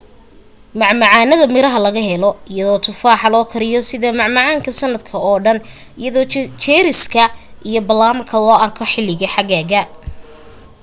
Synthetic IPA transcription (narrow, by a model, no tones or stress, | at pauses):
mɑʕmɑʕɑːnɐðɐmɪɾɐɦɐlɐɣɐɦɛlɔɪjɐðɔːt̪ʰʊfaːħɑlɔːkʰɐɾɪjɔsɪðɐmɑʕmɑʕɑːŋkʰɐsɐnːɐd̪kʰɐɔːɖɐn | ɪjɐðɔːt͡ʃʰɛːɾɪskʰɐʔijɔbɐlaːmɐkʰɐlɔːʔɐrkʰɔħɪlɪɣɐħɑɣaːɣɐ